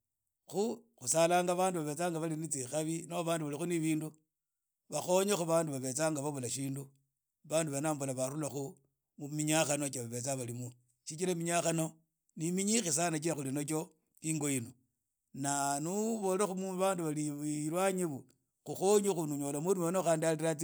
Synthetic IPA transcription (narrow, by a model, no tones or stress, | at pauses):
xuxusalaːŋɡaβaːnduβaβe̞t͡saːŋɡaβalinit͡sixaβinoβaːnduβalixuniβiːndu | βaxo̞ɲexuβaːnduβaβe̞t͡saːŋɡaβaβulaʃiːndu | βaːnduβenaːmbulaβaɾulaxu | mumiɲaxanot͡ʃaβaβe̞t͡saβalimu | ʃit͡ʃiɾamiɲaxano̞ | nimiɲixis̬anat͡ʃilaxulinok̬o | iŋɡo̞jinu | nanuβo̞lexumuβaːnduβaliɾwaɲiβu | xuxoɲixunuɲo̞ːlamuɾumonoxaːndialiɾat͡si